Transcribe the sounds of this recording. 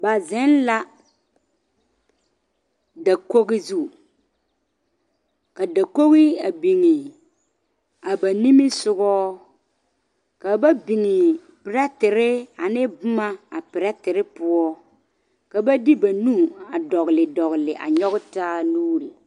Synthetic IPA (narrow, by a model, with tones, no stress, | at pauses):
ba˨zɛ˦n˦la˦ | da˨ko˦ɣɪ˦zu˦˨ | ka˨da˨ko˦ɣɪ˦a˨bi˨ŋɪ˨ | a˨ba˨ni˦mɪ˦sʊ˦ɡɔː˦ | ka˨ba˦bi˨ŋɪ˨ | pɪ˨ɾɛ˦tɪ˨ɾɪ˦a˨nɪ˦bʊ˦ma˦a˨pɪ˨ɾɛ˦tɪ˨ɾɪ˦pʊ˦ɔ˦ | ka˨ba˦di˦ba˨nu˦˨a˨dɔ˨ɣɪ˨lɪ˨dɔ˨ɣɪ˨lɪ˨ʔa̰˨ɲɔ˦ɣɪ˦taː˦nuː˦ɾi˨